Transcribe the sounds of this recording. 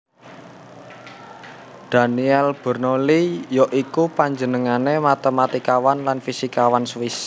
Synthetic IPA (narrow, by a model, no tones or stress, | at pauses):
d̪̥a̤niɛlb̥ə̤rnolijɔʔikupaɲd͡ʒənəŋanemat̪emat̪ikawanlanfisikawanswis